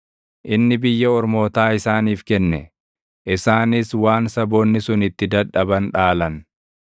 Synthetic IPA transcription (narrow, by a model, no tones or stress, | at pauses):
ʔɪnːɪbɪjːɐɔɾmo̞ːt̪aːɪsaːniːfkɛnːɛ | ʔɪsaːnɪswaːnsɐbo̞ːnːɪsʊnɪt̪ːɪd̪ɐᶑɐbɐnᶑaːlɐn